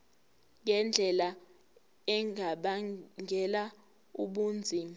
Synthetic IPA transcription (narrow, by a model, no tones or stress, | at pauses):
ŋɛnd͡ɮʱɛla | ɛŋʱaɓaɛla | uɓuːnd͡zʱi